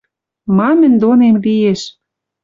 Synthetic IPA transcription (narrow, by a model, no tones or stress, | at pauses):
mɑmə̆nd̪onemlieʃ